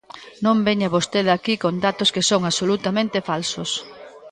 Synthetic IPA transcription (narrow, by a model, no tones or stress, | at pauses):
nõmbeɲaβost̪eðakikond̪at̪oskesoŋasolut̪amẽnt̪efalsos